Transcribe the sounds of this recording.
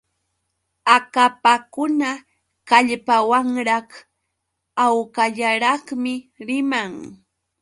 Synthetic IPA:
akapakʊna | kaʎpawaŋɾɑχ | awkaʎaɾɑχmɪɾɪmaŋ

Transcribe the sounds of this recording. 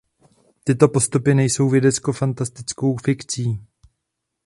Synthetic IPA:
t̪ɪt̪o̞po̞st̪upɪnɛjso̞wvjɛdɛt͡sko̞fant̪ast̪ɪt͡sko̞wfɪkt͡siː

